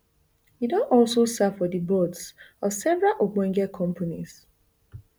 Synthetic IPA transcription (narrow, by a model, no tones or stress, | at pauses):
jidõnɔlsosafɔdibɔdsɔsɛvɹalʔoɡ͡bɛ̃ŋɡɛkʰɔ̃mpʰonis